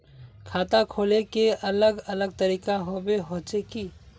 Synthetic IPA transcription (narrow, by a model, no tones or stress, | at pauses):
kʰat̪akʰolekeʔələɡələɡ̚t̪əɾikaɦobeɦot͡ʃeki